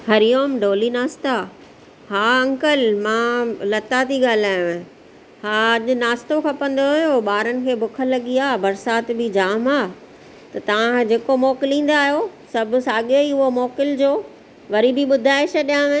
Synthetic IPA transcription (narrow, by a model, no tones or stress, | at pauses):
hɐɾijoːmɖoːlinaːst̪a | haːɐ̃ŋkəlmãːlɐt̪at̪iɡaːl̤aːjõẽ | haːɐʄʊnaːst̪okʰɐpə̃n̆d̪oɦʊjoɓaːɾənɪ̆kʰeːbʊkʰəlɐɠiaːbɐɾsaːt̪bɪd͡ʑaːmaː | t̪ɐt̪ɐʋãd͡ʑeːkomɔːkɪlĩːn̆d̪aːɦijosɐbʱʊsaːɠeiʊɦomɔːkɪld͡ʑoː | ʋɐɾibɪɓʊd̪ʱaːɪʃɗijãʋẽ